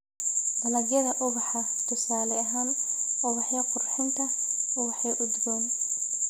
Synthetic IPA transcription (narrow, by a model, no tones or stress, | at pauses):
d̪ɐlɐɡjɐðɐʔʊβɑħɐ | t̪ʰɪsaːlɛɐɦaːnʔʊɣɑħjɐqʊrħɪnt̪ʰɐʊɣɑħɛʔʊd̪ɡɔːn